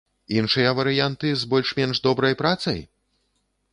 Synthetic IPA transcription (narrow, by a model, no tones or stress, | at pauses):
inʂɨjɐvɐɾɨjant̪ɨzbɔlʲʂmʲɛnʐd̪ɔbɾɐjpɾat̪sɐ̰j